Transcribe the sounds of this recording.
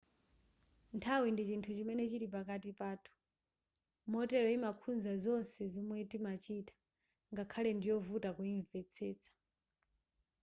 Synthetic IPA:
ntʰawindit͡ʃintʰut͡ʃimɛnɛt͡ʃiɾip̬akatipaːtʰu̥ | mɔtɛɾɔimakʰunzazɔnsɛzɔmwɛtimat͡ʃitḁ | ŋɡakʰalɛndijɔvutakuiɱvɛt͡sʰɛːt͡sʰḁ

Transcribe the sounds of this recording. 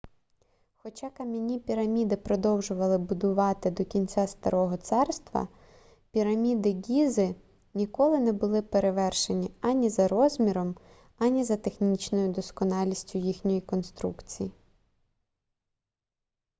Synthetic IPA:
xɔt͡ʃɑkɐmʲinʲipʲiɾɐmʲid̪ɪpɾɔd̪ɔwʒʊʋɐlˠɪbʊd̪ʊʋɑt̪ɪd̪ɔkʲinʲt͡sʲast̪ɐ̰ɾʔɔɦɔt̪sɛrst̪ʋɐ̰ | pʲiɾɐmʲid̪ɪɡʲizɪ | nʲikɔlˠɪnɛbʊlˠɪpeɾeʋɛrʃenʲiɐnʲizɐɾɔzʲmʲiɾɔm | ɐnʲizɐt̪exnʲit͡ʃnɔjʊd̪ɔskɔnɑlʲisʲtʲʊjixnʲɔjikɔnst̪ɾṵkt͡sʲiji

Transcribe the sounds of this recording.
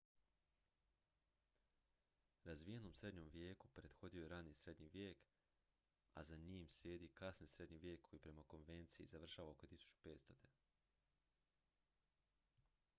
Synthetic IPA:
ɾazʋijeno̞msɾe̞d̪ɲo̞mʋje̞ːkupɾe̞d̪xo̞d̪io̞jeɾanisɾe̞d̪ɲiʋjeːk | a̰zaɲiːmsljeːd̪ikasnisɾe̞d̪ɲiʋjeːkʰːojipɾe̞mako̞nʋe̞nt̪sijḭzaʋr̩ʃaːʋao̞kot̪isu̥t͡ʃu̥pe̞ːt̪st̪o̞t̪e

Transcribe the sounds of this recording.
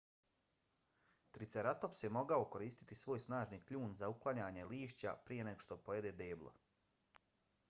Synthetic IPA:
t̪ɾit̪seɾat̪opsemo̞ɡaoko̞ɾiːst̪i̥t̪isʋo̞ːjsnaːʒniklʎuːnzauklˠaɲaːɲe̞liːʃt͡ɕa̰pɾije̞neɡo̥ʃt̪o̞pojed̪ed̪eːblˠo̰

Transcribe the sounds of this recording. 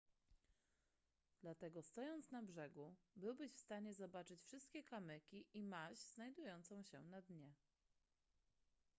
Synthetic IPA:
d̪̥lat̪ɛɡɔst̪ɔjɔnt̪snabʐɛɡubɘwbɘɕfst̪aɲɛzɔbat͡ʂɘt͡ɕfʂɘst̪̚kʲɛkamɘkʲiʔimaɕz̥najd̪ujɔnt̪sɔ̃w̃ɕɛ̰nad̪ɲɛ

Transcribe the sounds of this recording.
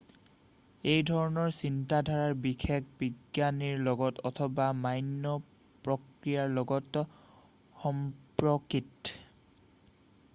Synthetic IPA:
ejdʱɔɹɔnɔɹsintadʱaɹaɹbixʰek̚biɡjaniɹlɔɡɔtɔtʰɔbamajnːɔ | pɹɔkɹijaɹlɔɡɔt | xɔmpɹɔkit

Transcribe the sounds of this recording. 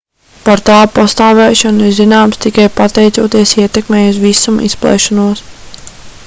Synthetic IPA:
paɾt̪aːpast̪aːvɛːʃɔniɾzinaːmst̪ikajpat̪ɛjt̪suːt̪iɛsiɛt̪ɛkmɛːjusvisumʔḭsplˠɛ̰ːʃɔnuɔs

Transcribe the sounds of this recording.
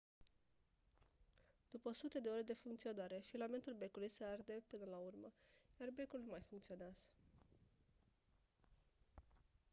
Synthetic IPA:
d̪̥upəosut̪ed̪e̞o̞ɾed̪e̞fuŋkt̪sio̞naɾe̞filame̞nt̪ulbe̞kulujseard̪e̞pɨnəlaurməjarbe̞kulnumajfuŋkt̪sio̞neaz̥ə̥

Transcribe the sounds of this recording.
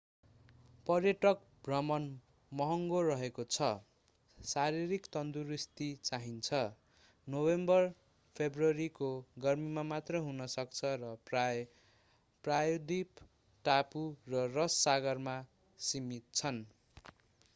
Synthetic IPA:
pʌrjʌʈʌk̚ | bʱrʌmʌn | mʌɦʌŋɡorʌɦekot͡sʰʌ | saɾiɾikt̪ʌnd̪uɾist̪it͡saɦint͡sʰʌ | nobembʌr | pʰebrʌɾikoɡʌrmimamat̪rʌjɦunʌsʌkt͡sʰʌɾʌ | prajod̪ʱip | ʈapurʌrʌsːaɡʌrma | simit̪̚t͡sʰʌn

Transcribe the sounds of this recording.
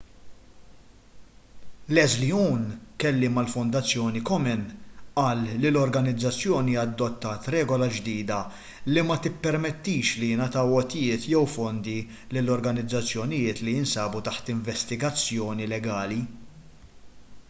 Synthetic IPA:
lɛzliuːnkɛlːɪmɐlfɔnd̪ɐt͡sːjɔːnikɔmɛnʔɐːlːilɔɾɡɐnɪd͡zːɐt͡sːjɔːniɐd̪ːɔt̪ːɐːt̪ɾɛːɡɔlɐd͡ʒd̪iːd̪ɐ | limɐt̪ɪpːɛɾmɛt̪ːiːʃlinɐt̪ɐwɔt̪ɪjɪːt̪jɛwfɔnd̪i | lɪlːɔɾɡɐnɪd͡zːɐt͡sːjɔnɪjɪːt̪liɪnsɐːbut̪ɐħt̪ɪɱvɛst̪ɪɡɐt͡sːjɔːnilɛɡɐːli

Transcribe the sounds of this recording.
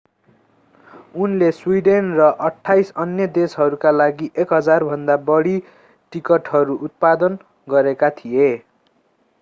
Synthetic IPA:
unleswiɖenrʌʔʌʈʰːajsʌnjʌd̪esɦʌɾukalaɡiʔekɦʌd͡zarbʱʌnd̪abʌɽi | ʈikʌʈɦʌɾuʔut̪̚pad̪ʌn | ɡʌɾekat̪ʰije

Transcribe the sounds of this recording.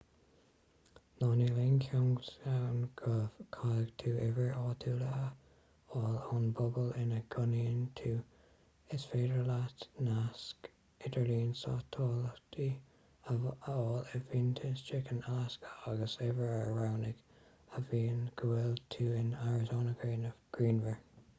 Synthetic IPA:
nɑːnilenkʰɔŋɡtawnɡəvkʰaləɡ̥t̪ʰuːʔɛvəɹɑːt̪ʰuːlə | ɔːlɔnbʊbəlɪnəɡʰʊniənt̪ʰuː | ɪsfeːdɹəlatnask | ɪdʰəɹliːnsɑ̰t̪ʰːɔːlətʰi | ɔːləviːnt̪ʰəstɹɪkənaskə̥aɡəsɛvəɹəɹawnɪɡ | əviːnɡ̥əwɛlt̪ʰuːɪnaɹɪzoːnəɡɹeːnəvɡ̥ɹiːnvəɹ

